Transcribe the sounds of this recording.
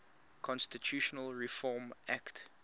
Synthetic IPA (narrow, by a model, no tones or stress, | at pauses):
kʰɔ̃nstitʰjuːʃɔnəlɹifɔːmʔakt